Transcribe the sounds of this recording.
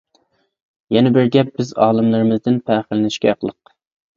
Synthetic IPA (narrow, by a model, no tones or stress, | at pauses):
jɛnɛbɪɾɡʲɛp̚b̥ɪzɑːlˠɨmlˠɨɾɪmɨzd̪ɪnpʰɛːχɪlɪnɪʃkʲɛqlˠəq